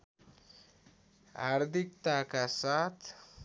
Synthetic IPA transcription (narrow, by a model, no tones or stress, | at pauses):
a̰ɾd̪ʱikt̪akasat̪ʰ